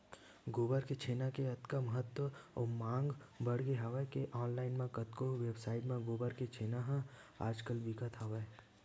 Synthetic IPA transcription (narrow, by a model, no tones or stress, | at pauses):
ɡoːbəɾket͡ʃʰeːnakeɐt̪kaməɦət̪wəɔmãːŋɡbəɽɡeɦaʋəkeʔɔːnlaːɪnmẽkət̪koʋebsaːɪʈmẽɡoːbəɾket͡ʃʰeːnaɦã | a̰ːd͡ʒkəlbikət̪ɦaʋə